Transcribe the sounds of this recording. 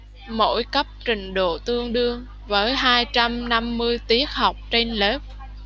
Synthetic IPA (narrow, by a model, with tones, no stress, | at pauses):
mo̰˧˥jkə˦˥p̚t͡ɕï˨˩ŋ̟ɗo̰˧˨t̪ɨ˧əŋɗɨ˧əŋ | vəː˨˦jɦaː˧jt͡ɕa˧mna˧mːɨ˧əjt̪i˦˥ək̚ha˨˩wk͡p̚t͡ɕe˧nləː˦˥p̚